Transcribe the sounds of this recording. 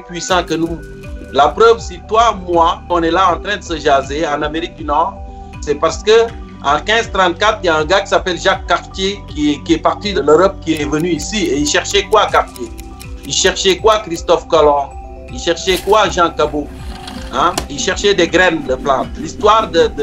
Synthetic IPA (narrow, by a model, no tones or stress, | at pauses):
ɛ̃pɥisɑ̃kənu | lapʁœvsit̪wamwaɔ̃nɛlaɑ̃t̪ɾɛ̃d̪əsəʒazeɑ̃nameʁik̚d̪ynɔʁ | sɛpaʁsə̥kə | ɑ̃kɛ̃zt̪ʁɑ̃t̪̚kat̪ʁiljaɛ̃ɡaki̥sapɛlʒakːaʁt̪jekiɛkiɛpaʁt̪id̪əløʁɔp̚kiɛvənyisieilʃɛʁʃɛkwakaʁt̪je | ilʃɛʁʃɛkwakʁist̪ɔfkɔlɔ̃ | ilʃɛʁʃɛkwaʒɑ̃kabo | ɛ̃ilʃɛʁʃɛd̪ɛɡʁɛnd̪əplɑ̃t̪̚list̪waːʁd̪əd̪